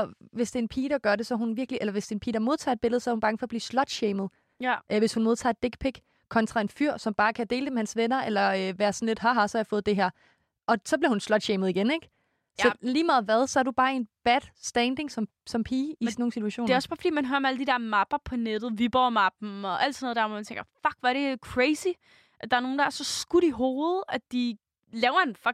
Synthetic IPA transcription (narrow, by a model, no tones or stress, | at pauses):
ɒ̽ʋe̝sd̥enpʰiːɾ̥ɑ̈ɡ̥ɶɐɾe̝sɒ̽ɦunʋiɐɡ̥liʔelɐʋe̝sd̥e̝ːnpʰḭːdɐmo̝ð̞ˠt͡sʰɑ̰ːe̝d̥̚b̥e̝ləð̞̩ˠsɒɐhunbɑŋəfɒ̽ːb̥liːslɒ̽d̥ɕeːməðˠ | ʔʋe̝shunmo̝ð̞ˠt͡sʰɑ̰̈e̝d̥e̝ɡ̥pʰeɡ̥ | kʰɒ̽nt͡sʰʁɑ̈e̝nfyɐ̰sɒ̽mb̥ɑ̈ːkʰæd̥e̝̰ːld̥e̝mehænsʋenɐʔelɐøʋæːɐsɒnle̝d̥ɦɑɦɑ̈sɒjɑfɔ̽ːð̞̩ˠd̥e̝ɦeɐ̰ | ʔɒ̽sɒbliɐhunslɒ̽d̥ɕeːmð̞̩ˠiɡ̥eneɡ̥ | sɒliːmɑ̈ːðˠʋæð̞ˠsɒ̽æɐdub̥ɑ̈ːe̝nb̥æd̥sd̥ɛːnd̥e̝ŋsɒ̽m | sɒ̽mpʰiːisno̝ːn̩sit͡sʰuæɕo̰ːneæɒ̽sb̥ɑ̈ːfɒ̥d̥ḭːmænɦøɐmeæləd̥id̥eɐ̰mɑ̈b̥ɐpʰɒ̽ned̥ð̞̩ˠʋib̥ɒmɑb̥n̩ɒ̽ʔæld̥sɔnoðˠdæɐʋɒɔmænt͡sʰeŋɡɐfɒɡ̥ʋæɐɾ̥e̝kʰʁeɪsi | ʔd̥ɑ̈æɐno̝ːn̩d̥ɑæɐsɒ̽sɡ̥uɾ̥iɦo̝ːð̩ˠæd̥i | lɛʊɐenfɑ